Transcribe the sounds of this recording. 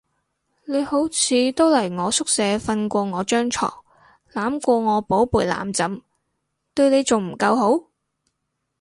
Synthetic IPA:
ne˨˧jho˨˥wt͡sʰiː˨˧t̪o˥wlɐ˨˩jŋɔː˨˧sʊ˥k̚sɛː˨˧fɐ˧nkʷɔː˧ŋɔː˨˧t͡ʃœː˥ŋt͡ʃʰɔ̰ː˨˩ŋ | laː˨˥mkʷɔː˧ŋɔː˨˧po˨˥wpuː˨˩jla̰ː˨˥mt͡sɐ˨˧m | t̪ɵ˧ɥne˨˧jt͡sʊ˨ŋm̩˨˩kɐ˧wɦo˨˥w

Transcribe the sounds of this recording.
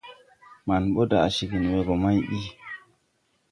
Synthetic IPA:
ma˨nɓɔ˦da˨a˨ʃi˨ki˨nwɛ˨ɡɔ˨ma˦jɗi˦

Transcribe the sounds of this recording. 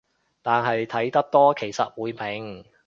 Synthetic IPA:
t̪aː˨nɦɐ˨jt̪ʰɐ˨˥jt̪ɐ˥k̚t̪ɔː˥kʰe˨˩jsɐ˨t̚wuː˨˥jpʰɪ˨˧ŋ

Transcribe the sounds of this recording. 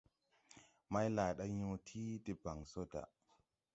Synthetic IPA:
ma˦jlaː˨ɗa˦jõ˧tʰiː˦te˧ba˨ŋso˦da̰˨ʔ

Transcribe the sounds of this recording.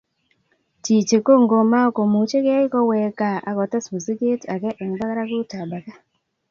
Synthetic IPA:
t͡ʃi˨t͡ʃe˨ko˦ŋɡo˨ma˦ko˨mu˨t͡ʃe˦ke˦ɪ˦kɔ˦wɛ˨ka˨a̰˨kɔ˨tɛ˦sbu˨si˦ɡe˦ta˨kɛ˦ʔɛ˨ŋ˨ba˦ka˦ɾa˦ɡʊ˦ta˨ba˨ka˦

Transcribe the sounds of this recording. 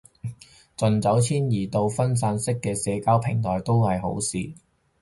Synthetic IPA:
t͡sɵ˨nt͡sɐ˨˥wt͡sʰiː˥njiː˨˩t̪o˧wfɐ˥ns̬aː˧nsɪ˥kːɛː˧sɛː˨˧kaː˥wpʰɪ˨˩ŋt̪ʰɔː˨˩jt̪o˥whɐ˨jɦo̰˨˥wsiː˨

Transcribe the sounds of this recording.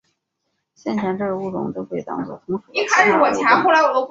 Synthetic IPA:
ɕjɛ˥˩nt͡ɕʰɑ˧˥ŋʈ͡ʂɤ˥˩ɡə˩u˥˩ʈ͡ʂʊ̰˧˥ŋt̪kʰe˥˩˨t̪ɑ̰˥˧ŋt͡swɔ̰˥˩tʰa˧˥˧i˥˩kʰa˥˧ɪʂɻ̩˥˧˩wɔ˨˩t͡ɕʰjɛ˧˥ŋxo˥˩ʊla˧˥ɪwɔ˨˩o˥

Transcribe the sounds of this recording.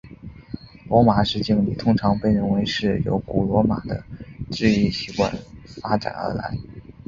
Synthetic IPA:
lwɔ˧˥ma˨˩ʂɻ̩˥˩t͡ɕi˥˩ŋlḭ˨˩t̪ʰʊ˥ŋʈ͡ʂʰɑ˧˥ŋpe˥˧ɪɻə˥˩nwe˧˥ɪʂɻ̩˥˩jo̰˧˥ʊku˨˩lwɔ˧˥ma̰˨˩d̪ə˦ʈ͡ʂɻ̩˥˧i˥˩ɕi˧˥kwa̰˥˩nfa˥ʈ͡ʂa̰˨˩nə̰˞˧˥la̰˧˥ɪ

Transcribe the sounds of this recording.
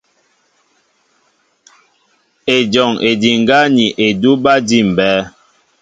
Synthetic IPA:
e˨d͡ʒɔ˨ŋe˨di˨ŋ˨ɡa˦ni˨ʔe˨du˦ba˦di˦˨m˨bɛː˦

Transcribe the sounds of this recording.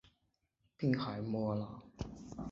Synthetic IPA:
pi˥˩ŋha˨˩jmɔ˧˥la˧˥

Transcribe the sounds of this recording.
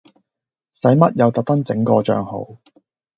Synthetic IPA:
sɐ˨˥jmɐ˥t̚jɐ˨˧wt̪ɐ˨k̚t̪ɐ˥ŋt͡sɪ˨˥ŋkɔː˧t͡ʃœ̰ː˧ŋho̰˨˥w

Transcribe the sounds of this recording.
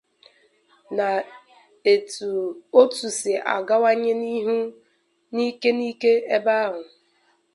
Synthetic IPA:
na˨ | e˨tu˨o˦tu˨sɪ˨ʔa̰˨ɡa˦wa˦ɲɪ˦ni˦ɦu˦ | ni˦ke˦ni˦ke˦e˦ba˦ɦʊ˨

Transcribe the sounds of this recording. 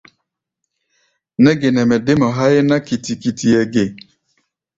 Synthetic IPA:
ne˦ɡe˨ne˨me˨dɪ˦mɔ˨ɦa˦ɪ˦na˦ki˨ti˨ki˨ti˨e˨ɡe˨

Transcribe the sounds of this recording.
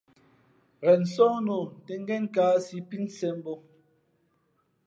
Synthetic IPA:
ɣɛ˨n̩˨sɔ˦no˨te˨ŋ̩˦ɡɛ˦ŋ˦kaː˨˦si˨˦pi˦n˦sɛ˦m˦bo˦

